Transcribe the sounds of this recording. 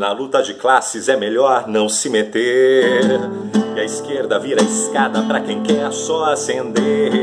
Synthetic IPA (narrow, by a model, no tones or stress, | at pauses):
nɐlut̪ɐd͡ʒɪklasɪzɛmeʎɔɾnɐ̃w̃sɪmet̪eɾ | iɐiskeɾd̪ɐviɾɐiskad̪ɐpɾɐkẽj̃kɛɾsɔasẽnd̪e